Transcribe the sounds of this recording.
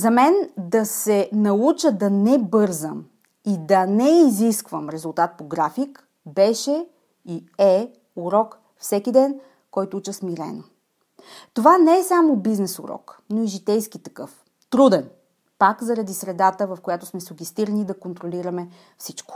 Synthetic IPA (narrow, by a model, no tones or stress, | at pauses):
zɐmɛnd̪ɐsɛnɐut͡ʃəd̪ɐnɛbɤɾzəm | id̪ɐnɛiziskvəmɾɛzʊlˠt̪at̪̚poɡɾafik | bɛʃɛ | iɛ | uɾɔk | fsɛkid̪ɛn | kɔjt̪ʊut͡ʃəsmiɾɛ̰no | t̪ovanɛɛsamobiznɛsṵɾɔ̰knoiʒit̪ɛjskit̪ɐkɤf | t̪ɾud̪ɛn | pakzɐɾɐd̪isɾɛd̪at̪əvɐfkojat̪ʊ̥smɛsʊɡʲɛst̪iɾnid̪ɐkont̪ɾoliɾɐmɛ | fsit͡ʃkʊ̥